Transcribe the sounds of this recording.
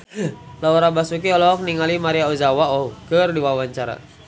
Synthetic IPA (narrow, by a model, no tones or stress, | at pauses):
laɔɾabasuk̬iɔlɔk̚niŋalimaɾiauzawaɔukərdiwawaɲt͡ʃaɾa̰